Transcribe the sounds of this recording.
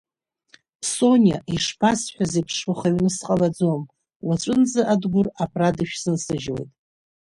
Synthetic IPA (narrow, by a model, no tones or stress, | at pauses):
pʰso̞nʲja̰ʔiʂpʰasħʷᶣazipʰʂʊχaɥnɨsqʼalad͡zom | wat͡ʃʷʼɨnzaʔadɡʷʊrapʰradɨʃᶣzɨnsɨʒwe̞̰jtʼ